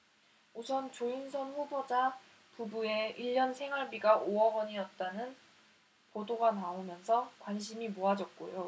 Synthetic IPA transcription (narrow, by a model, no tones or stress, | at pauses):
usʰʌnt͡ɕoinsʰʌnɸubod͡ʑa | pubue̞iʎːʌnsʰe̞ŋɦaɭbiɡaʔoʌɡʌɲijʌt̚t͈anɯn | podoɡanaomjʌnsʰʌkwanɕʰimimoad͡ʑʌk̚k͈o̰jo